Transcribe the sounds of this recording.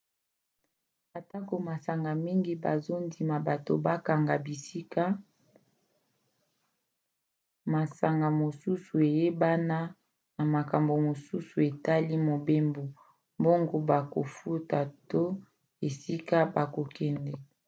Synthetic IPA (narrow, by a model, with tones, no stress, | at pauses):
a˨ta˦ko˨ma˨sa˨ŋɡa˨mi˦ŋɡi˦ba̰˨zo˦ndi˨ma˨ba˨to˨ba˦ka˨ŋɡa˨bi˨si˦ka˦ | ma˨sa˨ŋɡa˨mo˨su˦su˨e˨je˦ba˦na˦ | na˨ma˨ka˨mbo˨mo˨su˦su˨e˨ta˦li˦mo˨be˦mbo˨ | mbo˦ŋɡo˦ba˨ko̰˨fu˦ta˨to˦ | e˨si˦ka˦ba˨ko˨kɛ˨ndɛ˨